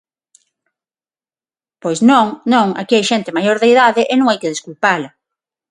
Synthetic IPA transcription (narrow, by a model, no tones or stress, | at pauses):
pojznõŋnõŋa̰kiajʃent̪emajoɾðejðaðɪʔɪnõŋajkeðeskulpalɐ